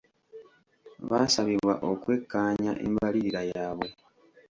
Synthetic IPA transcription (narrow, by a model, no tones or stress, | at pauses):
βasaβiβwa̰ʔo̞kwe̞kːaːɲa̰ʔḛmbaliɾiɾajaːβo̞